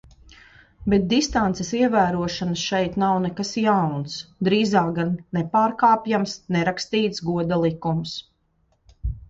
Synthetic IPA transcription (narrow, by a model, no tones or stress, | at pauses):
bɛt̪̚d̪ist̪ant̪sɛsiɛvæːɾuɔʃanəsʃɛjt̪nawnɛkasjawnsd̪ɾiːzaːk̚ɡanːɛpaːɾkaːpjamsnɛɾakst̪iːt̪sɡuɔd̪alˠikums